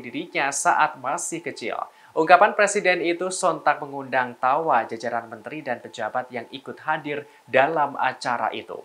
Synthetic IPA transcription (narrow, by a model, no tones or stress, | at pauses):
diɾiɲasaʔat̪̚masɪhkət͡ʃɪ̰l | ʔuŋkapanpɾesidɛnit̪usɔnt̪ak̚məŋundaŋt̪awad͡ʒad͡ʒaɾanmənt̪ɾidanpəd͡ʒabat̪̚jaŋikʊt̪̚hadɪr | dalama̰t͡ʃaɾa̰ʔḭt̪ṵ